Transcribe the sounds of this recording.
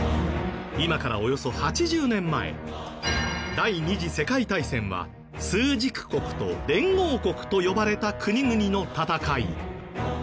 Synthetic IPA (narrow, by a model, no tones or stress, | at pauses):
imakaɾa̰o̞jo̞so̞hat͡ɕiʑɨːnẽ̞mːae̞̰ | d̪aiɲ̟iʑise̞kait̪aisẽ̞ɰ̃βa̰ | sɨːʑikɯ̟̥ko̞kɯ̟̥t̪o̞̰d̪ẽ̞ŋɡo̞ːko̞kɯ̟̥t̪o̞jo̞baɾe̞t̪akʰɯ̟ɲ̟iɡɯ̟ɲ̟ino̞t̪at̪akaḭ